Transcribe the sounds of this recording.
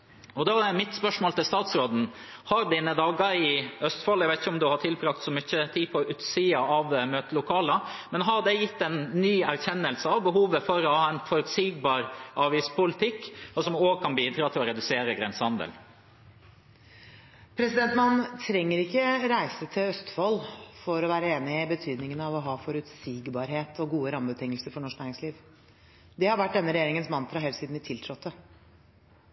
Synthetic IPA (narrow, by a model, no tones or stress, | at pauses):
ɔd̪ɑæɾmɪt̪spœʂmoːlt̪ɪlst̪ɑːt̪sɾoːd̪n̩hɑɾd̪iːnəd̪ɑːɡəɾɪœst̪fɑlːɛɡʋæɪt̪ɪçəɔmd̪ʉhɑʈ̪ʰɪlpʰɾɑk̚t̪sɔmʏçːət̪ʰiːpʰɔʉːt̪siːɑʔɑʋmøːt̪əlʊkʰɑːləmɛnɦɑɾd̪ɛjɪt̪ːɛnːyːæɾçɛnːəlsəɑʋbəɦuːʋəfɔɾɔhɑːɛɪnfɔɾʉt̪siːɡ̚bɑːɾʔɑːʋiːspʰʊlɪt̪ʰɪkːɔsɔmoːɡkʰɑnb̪iːd̪ɾɑt̪ʰɪlɔɾɛd̪ʉseːɾəɡɾɛnsəhɑnd̪ə̰l | pʰɾɛsɪd̪ɛnt̪mɑnt̪ʰɾɛŋːəɾɪkːəɾæɪsət̪ʰɪlœst̪fɔlːfɔɾɔʋæːɾəeːnɪɪbət̪ʰyːd̪nɪŋənəɑʋɔɦɑːfɔɾʉt̪siːɡbɑːɾɦeːt̪ʰɔɡuːəɾɑmbət̪ʰɪŋːəlsəɾfɔɳɔʂknæːɪɾɪŋsliːʋ | d̪ɛhɑɾʋæʈ̚ːd̪ɛnːəɾɛjeːɾɪŋənsmɑnt̪ɾɑɦɛːlsiːd̪nɪt̪ʰɪlt̪ʰɾɔt̪ːə